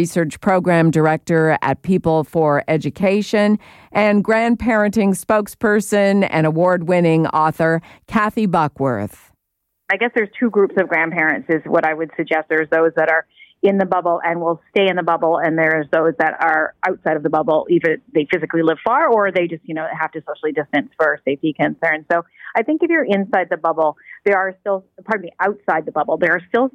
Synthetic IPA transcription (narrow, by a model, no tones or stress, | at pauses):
isɜ˞t͡ʃpʰɹ̥oʊɡɹæ̃mdə˞ɛk̚tə˞ɨ̰t̚pʰipl̩ˠfə˞ɛd͡ʒɨkʰeɪʃɨ̃n | ʔɨ̃nɡɹæ̃npʰɛɹɨ̃ntɪ̃ŋspoʊkspʰɜ˞sɨ̃nɨ̰̃ɾ̃əwɔɹd̚wɪ̃nɪ̃ŋɔθə˞kʰæθibʌkwə̰˞θ | aɪɡɛsðə˞z̥tʰʉɡɹupsʌvɡɹæ̃npʰɛɹɨ̃ntsɨzwʌ̰ɾaɪwɨd̥sɨɡ̚d͡ʒɛst̪̚ðə˞zðoʊzðɨɾə˞ | ɪ̃nðɨbʌbl̩ˠʔɨ̃nwilˠsteɪɨ̃nðəbʌbl̩ˠɨ̃nðə˞zðoʊzðɨɾə˞ʔaʊtsaɪɾʌvðəbʌbl̩ˠiðə˞ðeɪfɪzɨklilɪv̥fɑɹə˞ðeɪd͡ʒʌst̚jɨñoʊɦæftɨsoʊʃl̩ˠidɨstɨ̃nsfə˞seɪfikʰɨ̃nsɜ̃˞nsoʊaɪθɪ̃ŋkɨfjə˞ʔɪ̃nsaɪd̪̚ðɨbʌbl̩ˠðə˞ə˞stɪlˠəpʰɑɹtliʔaʊtsaɪd̪̚ðəbʌbl̩ˠðə˞ːstɪlˠ